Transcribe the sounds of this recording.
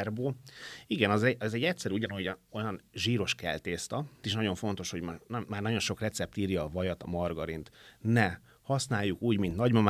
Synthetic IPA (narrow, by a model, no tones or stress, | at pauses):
rboːiɡɛnɒzɛɛzɛɟːɛcsɛɾyuɟɒnojo̞jɒnʒiːɾo̞ʃkɛ̰lt̪eːst̪ɒt̪eʃnɒɟo̞ɱfo̞n̪t̪o̞ʃho̞ɟmnːaːrnɒɟo̞nʃo̞krɛt̪sɛp̚t̪iːɾjɒːvɒjɒt̪ɒ̰mɒrɡɒɾint̪nɛ | hɒsnaːjːukuːɟmint̪nɒɟmɒm